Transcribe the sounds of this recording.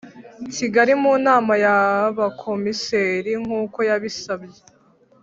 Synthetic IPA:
ciɡaɾimuːnaːmajaβakʰo̞miseːɾiŋ̥uːko̞jaβisabje

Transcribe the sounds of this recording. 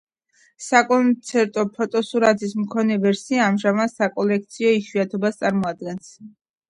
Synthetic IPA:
sakʼɔnt̪sʰɛɾt̪ʼɔpʰɔt̪ʼɔsuɾat̪ʰismkʰɔnɛvɛɾsiaːmʒamad̪sakʼɔlɛk̚t̪sʰiɔiʃwiat̪ʰɔbast̪sʼaɾmɔad̪̚ɡɛns

